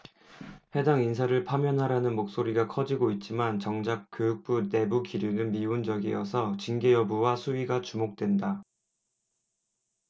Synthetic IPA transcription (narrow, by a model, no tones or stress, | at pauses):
ɸe̞daŋins̬ʰaɾɯɭpʰamjʌnɦaɾanɯnmok̚s͈oɾiɡakʰʌd͡ʑiɡoit̚t͡ɕ͈imant͡ɕʌŋd͡ʑak̚k͈ːjojuk̚p͈une̞bukiɾjunɯnmiund͡ʑʌɡḭjʌsʰʌt͡ɕiŋɡejʌbuwasʰuɥiɡat͡ɕumok̚t͈we̞nda